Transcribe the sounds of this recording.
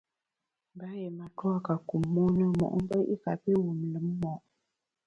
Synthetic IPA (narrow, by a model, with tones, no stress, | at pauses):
m̩˨ba˦je˨ma˨tɔ˦a˦ka˨ku˨mːo˦nə˦mɔ̰˨ʔm̩˦bə˦ʔḭ˦ka˨pi˦wu˨m˨lə˨˦mː˦ɔ˨ʔ